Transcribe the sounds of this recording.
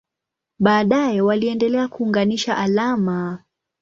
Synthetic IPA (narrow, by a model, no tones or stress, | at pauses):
ɓaːɗajɛwaliɛndɛlɛakuːŋɡaniʃaʔalama